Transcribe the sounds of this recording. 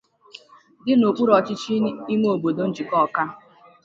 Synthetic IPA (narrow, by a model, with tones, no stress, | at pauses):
dɪ˦no˨k͡pu˦ɾɔ˨t͡ʃɪ˦t͡ʃi˦i˦ŋ˦o˨bo˨do˨n̩˦d͡ʒi˨kɔ˦˨ka˦